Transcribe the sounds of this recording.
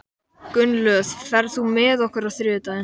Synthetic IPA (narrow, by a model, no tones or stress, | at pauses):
kʏnlœθfɛɾðθumɪðɔhkʏɾaðθɾʏːt̪aðɪn